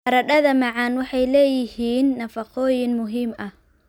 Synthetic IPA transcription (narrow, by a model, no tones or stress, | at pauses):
ɐɾɐɖɐðɐmɑʕɑnwɑħɑjlɛːjɪhiːnːɐfɑqɔːjɪnmʊɦiːmʔɐh